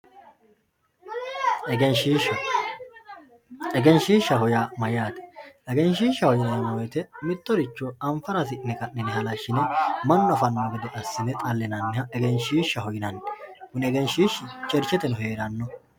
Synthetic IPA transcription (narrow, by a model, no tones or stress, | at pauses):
ɛɡɛnʃiːʃɐ | ɛɡɛnʃiːʃːɐɦɔjamɐjaːt̪ɛ̥ʔɛɡɛnʃiːʃːɐhɔjɪnɐnɐnɔwjɛt̪ɛmɪt̪ʼːɔɾɪt͡ʃːɔɐɱfɐɾɐs̬ɪnɛkɐnːɛnɛɦɐlɐʃːɪnɛmɐnːɔɐfɐnːɐwɐɡɪd̪ɛʔɐsːɪnɛt̪ʼɐlːɛnɐnːɪhɐɛɡɛnʃiːʃːɐɦɔjɪnɐnːkʊnɛɡɛnʃiːʃt͡ʃʼɛɾt͡ʃːɛt̪ɛnʊɦe̞ːɾɐnːɔ